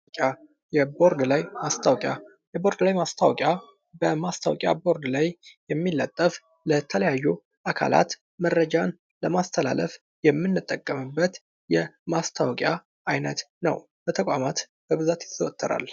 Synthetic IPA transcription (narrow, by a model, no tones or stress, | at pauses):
kʼa | jɛbo̞ɾd̪lajmast̪ʰawkʼja | jɛbo̞ɾd̪lajmast̪ʰawɔkʼja | bəmast̪ʰawɔkʼja̰bo̞ɾd̪lajjɛmːilːət̪ʼːəf | lət̪ʰələjajːu | ʔakʰa̰la̰t̪ | mərːəd͡ʒan | ləmast̪ʰəla̰ləf | jɛmːɨnːɨt̪ʼːəkʼːəmɨbːət̪ | jɛmast̪ʰawɔkʼja | ʔajnət̪ | nə̰w | b̥ət̪ʰəkʼamat̪ | b̥əβɨzat̪jɪsəwt̪ʰʼːəɾa̰l